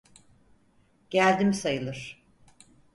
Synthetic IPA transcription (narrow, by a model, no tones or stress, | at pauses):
ɟ̥ælʲd̪imisajɯlˠɯɾ̥